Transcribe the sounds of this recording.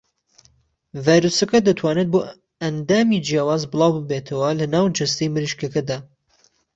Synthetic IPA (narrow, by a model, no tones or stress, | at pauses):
vajɾusɐkɐd̪ɐt̪ʰwaːnet̪̚boː | ɐnd̪aːmid͡ʒijaːwaːzbɨlˠaːwbɨbet̪ʰɐwɐlɐnaːwd͡ʒɐst̪ejmɨɾɨʃkɐkɐd̪aː